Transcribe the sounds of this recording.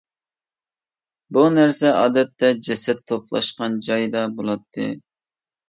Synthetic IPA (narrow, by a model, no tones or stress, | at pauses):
bunæɾsɛɑ̰ːd̪ɛt̪ːɛd͡ʒɛsɛt̪ʰːop̚lˠɑ̰ʃqɑnd͡ʒɑjd̪ɑbolˠɑt̪ʰːɨ̰